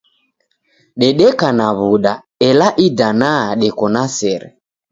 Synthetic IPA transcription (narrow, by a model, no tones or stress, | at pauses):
ɗɛɗɛkanaβuɗa | ɛlaʔidanaɗɛkɔnasɛɾɛ̰